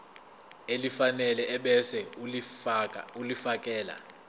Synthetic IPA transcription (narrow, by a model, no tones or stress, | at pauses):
elifanɛlɛʔɛɓɛsɛ | ulifak̬ʼɛːla̰